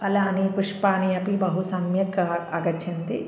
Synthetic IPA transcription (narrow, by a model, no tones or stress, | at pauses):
ɐlaːnipuʂpaːnijɐpibɐɦusɐmjɐkɐɐɡɐtt͡ʃʰɐnt̪i